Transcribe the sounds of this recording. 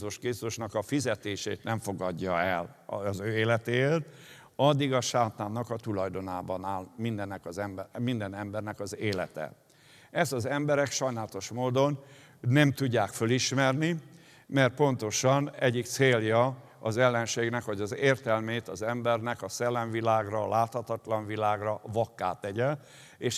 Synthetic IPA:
uʃkit̪uʃnɒkɒfizɛt̪eːʃeːt̪nɛɱfo̞ɡɒɟːɒɛlːzøːeːlɛt̪eːeːrt̪ | ɒd̪ːiɡɒʃaːt̪aːnːɒkɒt̪ulɒjd̪o̞naːbɒnaːlmind̪ɛnːɛkɒzɛmmind̪ɛnɛmbɛrnɛkɒzeːlɛ̰t̪ɛ̰ | ɛzɒzɛmbɛɾɛkʃɒjnaːlɒt̪o̞ʃmoːd̪o̞nː | ɛmt̪uɟːaːkføliʃmɛrni | mɛrt̪̚po̞n̪t̪o̞ʃɒnɛɟːikt̪seːljɒ | ɒzɛlːɛnʃeːɡnɛkhɒɟɒzeːrt̪ɛlmeːt̪ɒzɛmbɛrnɛkɒsɛlːɛɱvilaːɡrɒlʔaːt̪hɒt̪ɒt̪lɒɱvilaːɡrɒvɒkːa̰ːt̪ːɛɟɛl | eːʃ

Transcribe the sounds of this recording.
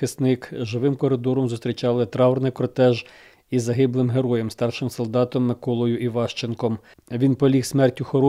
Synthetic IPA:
ɪsnɪkʒɪʋɪmkɔɾɪd̪ɔɾɔmzʊst̪ʲɾʲit͡ʃɑlˠɪt̪ɾɑɔrnɪjkɾt̪ɛʒ | izɐɦɪblˠɪmɦeɾɔjɛmst̪ɑrʃɪmsɔlˠd̪ɑt̪ɔmːɪkɔlˠɔjʊʔiʋɑʃt͡ʃenkɔm | ʋʲinpɔlʲiksmɛrtʲʊxɔɾɔ

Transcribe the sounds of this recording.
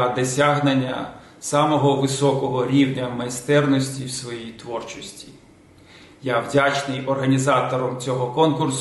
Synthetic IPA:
ɐd̪ɔsʲaɦnenʲːɐ̰ | sɑmɔɦɔʋɪsɔkɔɦɔɾʲiwnʲɐmɐjst̪ɛrnɔsʲtʲiwsʋɔjijt̪ʋɔrt͡ʃɔsʲtʲi | jawdʲat͡ʃnɪjɔrɦɐnʲizɑt̪ɔɾɔmt͡sʲɔɦɔkɔnkʊrs

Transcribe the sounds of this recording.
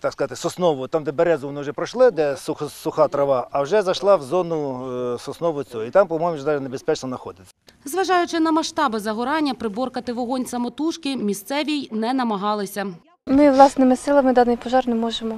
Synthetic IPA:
t̪ɑkskɐzat̪ɪsɔsnɔʋʊt̪amd̪ɛbeɾɛzʊʋɔnɪwʒɛpɾɔʃlˠɪd̪ɛsʊxsʊxɑt̪ɾɐʋɑɐwʒɛzɐʃlˠɑwzɔnʊsɔsnɔʋʊt͡sʲuit̪ampɔmɔjmʊʒɛd̪ɑʒɛnebespɛt͡ʃnɔnɐxɔd̪ɪt̪ʲsʲɐ̥ | zʋɐʒɑjʊt͡ʃɪnɐmɐʃt̪ɑbɪzɐɦɔɾɑnʲːɐpɾɪbɔrkɐt̪ɪʋɔɦɔnʲsɐmɔt̪uʃkɪmʲist̪sɛʋʲijnɛnɐmɐɦɑlˠɪsʲɐ | mɪʋlˠɑsnɪmɪsɪlˠɐmɪd̪ɑnɪjpɔʒɑrnemɔʒemɔ

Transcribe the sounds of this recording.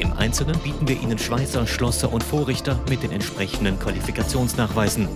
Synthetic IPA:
ʔɪmʔa̰ɪnt͡sl̩nənbiːtn̩viːɐʔiːnənʃv̥aɪt͡sɐʃlɔsɐʔʊntfoːɐʁɪçtɐmɪt̚d̥eːnɛ̰ntʃpʁ̥ɛçn̩dənkv̥alifikat͡sjoːnsnaːχv̥aɪzn̩

